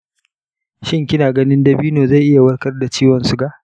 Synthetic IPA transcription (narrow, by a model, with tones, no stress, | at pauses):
ʃɪ˦ŋkʲɪ˦naː˨ɡɐ˦nɪ˦ndɐ˦biː˦noː˨za˦˨jʔɪ˦ja˨wɐ˦ɽkɐ˦rda˨t͡ʃiː˦wɔ˨nsu˦ɡa˦˨ʔ